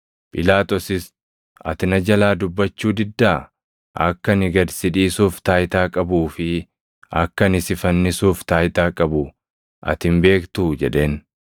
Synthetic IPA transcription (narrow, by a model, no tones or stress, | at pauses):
pʼɪlaːt̪ɔsɪs | ʔɐ̰t̪ɪnɐd͡ʒɐlaːd̪ʊbːɐt͡ʃːuːd̪ɪd̪ːaː | ʔɐ̰kːɐnɪɡɐd̪sɪᶑiːsuːft̪aːjt̪aːkʼɐbuːfɪ | ɐkːɐnɪsɪfɐnːɪsuːft̪aːjt̪aːkʼɐbʊ | ʔɐ̰t̪ɪmbe̞ːkt̪ud͡ʒɛᶑe̞ːn